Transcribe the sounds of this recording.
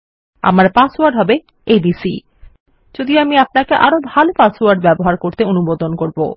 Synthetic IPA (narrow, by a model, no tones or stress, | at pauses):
a̰maɾpasoaɖɦɔbe | ebisḭ | d͡ʑod̪ioamiap̚nakeʔaɾobʱalpasoaɖbɛboɦaɾkoɾt̪eonubod̪onkoɾbo̰